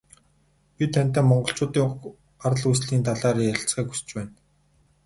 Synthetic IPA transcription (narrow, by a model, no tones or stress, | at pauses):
pʲit̪ʰæn̥ʲt̪æːmɔɴɢɞ̆ɬt͡ɕʊːt̪iːŋʊχ | aɾ̆ɮujs̬ɮiːnt̪ʰaɮaːɾiːjăɬt͡sχiːku̥st͡ɕpæːn